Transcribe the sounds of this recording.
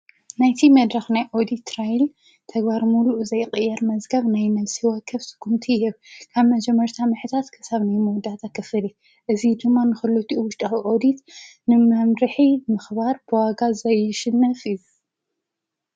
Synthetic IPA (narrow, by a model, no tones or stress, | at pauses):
najt̪ʰimɐd̪ɾɐxnajʔod̪it̪ːɾajl | t̪ʰɐɡbaɾmuluʔuzɐjqʼɨjːɛɾmɐzɡɐβnajnɐβsiwɐkʰːɐβsɨ̥ɡ̥ʰumt̪ʰihɛβkʰaβmɐd͡ʒɛmːɐɾt̪ʰamɨħɨt̪ʰat̪kʰɨ̥saβnajmɨwd̪at̪ʰakʰːɨfɨli | ʔɨzid̪ɨmːanɨxɨlut̪ʰiʔuwʊʃt̪ʼawiʔod̪it̪nɨmɐmɾɨħimɨxbaɾbɨwaɡazɐjɪʃɪnːɐfiz